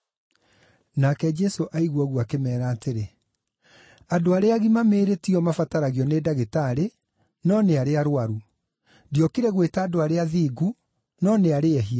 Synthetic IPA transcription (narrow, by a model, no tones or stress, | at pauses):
nakɛd͡ʒɛsoʔaiɣwɔɣwakemɛːɾaːteɾe | adoaɾeaɣimameːɾetiɔmafataɾaɣiɔnedaɣetaɾe | nɔneaɾeaɾwaɾu | diɔkiɾɛɣwetaːdoaɾeaðiːɡu | nɔneaɾeɛɦia